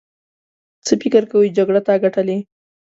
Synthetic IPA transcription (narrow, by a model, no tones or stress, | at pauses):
t͡səfɪkɪɾkawid͡ʒaɡɽat̪aɡaʈale